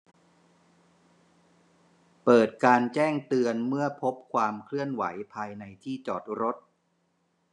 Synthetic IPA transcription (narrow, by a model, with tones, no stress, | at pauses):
pɤː˨˩t̪̚kaː˧nt͡ɕɛː˥˩ŋt̪ɯ˧ənmɯ˥˩əpʰo˦˥p̚kʰwaː˧mkʰlɯ˥˩ənwa̰˩˦jpʰaː˧jna˧jt̪ʰiː˥˩t͡ɕɔː˨˩t̪̚ɾo˦˥t̪̚